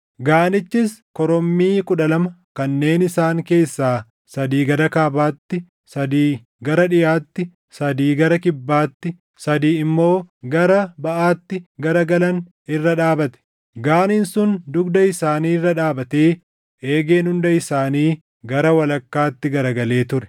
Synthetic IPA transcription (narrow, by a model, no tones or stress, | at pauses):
ɡaːnɪt͡ʃːɪskɔɾɔmːiːkʼʊᶑɐlɐmɐkɐnːe̞ːnɪsaːŋke̞ːsːaː | sɐd̪iːɡɐɾɐkaːbaːt̪ːɪ | sɐd̪iː | ɡɐɾɐᶑɪjaːt̪ːɪ | sɐd̪iːɡɐɾɐkɪbːaːt̪ːɪ | sɐd̪iːɪmːo̞ːɡɐɾɐbɐʔaːt̪ːɪɡɐɾɐɡɐlɐn | ɪrːɐᶑaːbɐt̪ɛ̥ | ɡaːnɪnsʊnd̪ʊɡd̪ɐɪsaːniːrːɐᶑaːbɐt̪eː | e̞ːɡe̞ːnhʊnd̪ɐɪsaːniː | ɡɐɾɐwɐlɐkːaːt̪ːɪɡɐɾɐɡɐle̞ːt̪ʊɾɛ̥